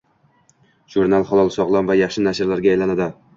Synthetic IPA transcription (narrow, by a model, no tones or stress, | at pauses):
ʒ̥uɾnalˠχɒlˠɒlˠsɒʁlˠamvajɑχʃɪnaʃɪɾlaɾɡʲaːjlanad̪ɪ